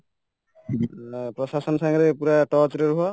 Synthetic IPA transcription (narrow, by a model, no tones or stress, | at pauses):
pɾɔsasɔnsaŋɾepuɾaʈɔtɾɔɾuɦɔ